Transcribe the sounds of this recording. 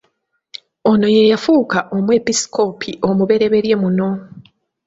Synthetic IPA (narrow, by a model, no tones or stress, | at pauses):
ono̞je̞jafuːkaʔo̞mwe̞pisi̥kʰo̞pʰiʔo̞muβe̞ɾe̞βe̞ɾje̞muno̞